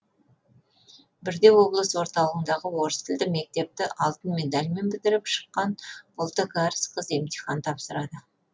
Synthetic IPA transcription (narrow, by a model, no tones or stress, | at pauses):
bɪɾd̪e̞wo̞blˠəsəwo̞ɾt̪ɑlˠəʁənd̪ɑʁəwo̞ɾəst̪ʰɪld̪ɪme̞k̚t̪e̞p̚t̪ɪʔɑlˠt̪ənme̞d̪ɑlʲme̞nbɪd̪ɪɾɪpʃə̥qːɑnbʊlˠt̪əɡɑɾsqʰəze̞mt̪ʲiχɑnt̪ʰɑpsəɾɑd̪ə